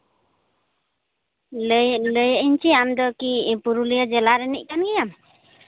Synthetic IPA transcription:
ləjəʔiɲt͡ʃiamd̪ɔkipuɾulijɔd͡ʒɛlaɾɛnḭc̚ˀkanɡɛjam

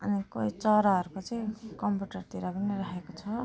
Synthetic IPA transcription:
ʌ̰nikʌit͡sʌɾaɦʌɾukot͡sʌĩkʌmpjiuʈʌrt̪iɾapʌniɾʌɦekot͡sʰʌ

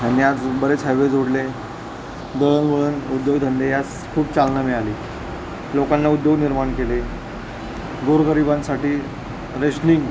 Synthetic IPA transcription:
janːiːad͡zbəɾet͡sɦajʋed͡zoɽle | d̪əɭənɡəɭənud̪joɡt̪ʰənd̪ejas | kʰuːpt͡salnameɭaliː | lokanːaud̪joɡniɾmaɳkele | ɡoɾɡəɾibãnsaʈiː | ɾeɕniŋɡ

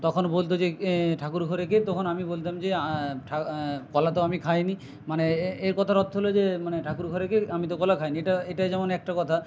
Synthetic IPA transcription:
t̪ɔkʰonbolt̪̬od͡ʑeʈʰakuɾɡʱoɾek̬et̪ɔkʰonamibolt̪amd͡ʑeʈʰakɔlat̪oamikʰajni | maneeɾkɔt̪ʰaɾɔt̪ːɦolod͡ʑemaneʈʰakuɾɡʱoɾekeamit̪̬okɔlakʰajnieʈaeʈajd͡ʑɛmonɛk̚ʈakɔt̪ʰa

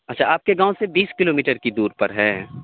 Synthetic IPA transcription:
ɐtːʃʰaaːp̚keɡãːõsebiːskɪloːmiːʈəɾkid̪uːɾpɐɾɦɛː

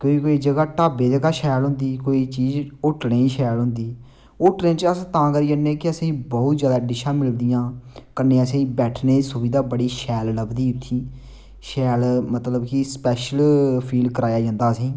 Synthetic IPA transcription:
koːiːkoːiːd͡ʒəɡaːʈaːbeːd͡ʒəɡaːʃɛːlɦʊ̃nd̪iːkoːiːt͡ʃiːd͡ʒʊʈnẽːĩːʃɛːlɦʊ̃nd̪iː | ʊʈnẽːt͡ʃəst̪ãːkəɾiːd͡ʒənẽːkɪəsẽĩːbɔːʊt̪zjaːd̪aːɖɪʃãːmɪld̪ɪjãːkəɾneːəsẽːĩːbɛːʈʰneːsʊbiːd̪aːbəɽiːʃɛːlləbd̪iːʊt̪ʰːiː | ʃɛːlmət̪ləbkispɛːʃəlpʰiːlkəɾaːjaːd͡ʒãːnd̪aːsĩː

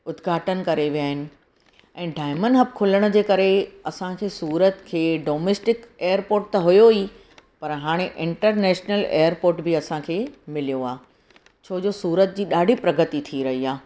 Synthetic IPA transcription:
ʊd̪ɡʱaːʈənkɐɾeʋijaːɦɪnɪ̆ | ɛ̃ːɖaːɪmənɦəb̚kʰʊləɽ̃ʊ̆d͡ʑeːkɐɾeɐsãkʰeːsuːɾət̪kʰeːɖoːmeːsʈɪkeːjəɾpoːɾʈ̚t̪ɐɦʊjoi | pɐɾɦaːɽ̃eʔɪ̃ɳʈəɾnɛːʃnəlḛːjəɾpoːɾʈbɪɐsãkʰeːmɪlijoaː | t͡ɕʰoːd͡ʑoːsuːɾət̪̚d͡ʑiːɗaːɖʱipɾɐɡət̪it̪ʰiɾɐɦiaː

